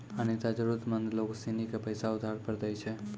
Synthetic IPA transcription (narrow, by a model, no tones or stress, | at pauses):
anit̪ad͡ʒəɾut̪mənd̪loksinikepəjsaʊd̪ʱaɾpəɾd̪əjt͡ʃʰe